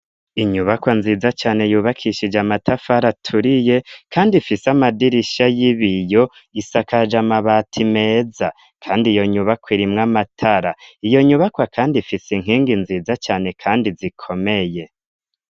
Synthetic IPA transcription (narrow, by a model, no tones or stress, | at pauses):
iɲuβakwanziːzat͡ʃaːne̞juːβakʰiʃid͡ʒamatʰafaɾatʰuɾije̞kʰaːndifisamadiɾiʃajiβijo̞ | isakad͡ʒamaβatʰime̞ːza | kʰaːndijo̞ɲuβakwiɾimŋamatʰaɾaijo̞ɲuβakwakʰaːndifisiŋ̥iːŋɡinziːzat͡ʃaːne̞kʰaːndizikʰo̞me̞je̞